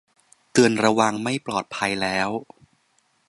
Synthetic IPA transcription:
t̪ɯ˧ənɾa˧wa˧ŋma˥˩jplɔː˨˩t̪̚pʰa˧jlɛː˦˥w

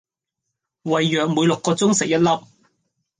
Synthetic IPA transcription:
wɐ˨˩jːœː˨k̚muː˨˧jlʊ˨kːɔː˧t͡sʊ˥ŋsɪ˨k̚jɐ˥t̚lɐ˥p̚

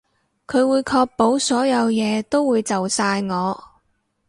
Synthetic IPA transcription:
kʰɵ˨˧ɥwuː˨˧jkʰɔː˧k̚po˨˥wsɔː˨˥jɐ˨˧wjɛː˨˧t̪o˥wːuː˨˧jt͡sɐ˨wsaː˧jŋɔː˨˧

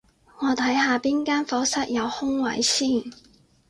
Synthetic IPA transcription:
ŋɔː˨˧t̪ʰɐ˨˥jɦaː˨˧piː˥nkaː˥nfɔː˨˥sɐ˥t̚jɐ˨˧whʊ˥ŋwɐ˨˥jsiː˥˩n

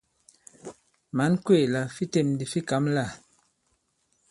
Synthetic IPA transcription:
ma˨˦nkwe˦˨la˨fi˦te˦˨mdi˨fi˦ka˨˦mla˦˨

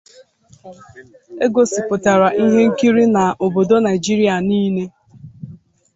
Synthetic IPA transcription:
e˦ɡo˨sɪ˨pʊ˨ta˨ɾa˨ʔi˦ɦe˦ŋ̩˦ki˦ɾi˦na˨ʔo˨bo˨do˦na˨ɪ˨d͡ʒi˦ɾi˦a˨niː˦ne˦

